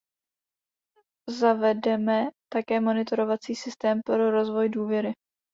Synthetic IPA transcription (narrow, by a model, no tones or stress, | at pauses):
zavɛdɛmɛt̪akɛːmo̞nɪt̪o̞ɾo̞vat͡siːsɪst̪ɛːmpɾo̞ɾo̞zvo̞jduːvjɛɾɪ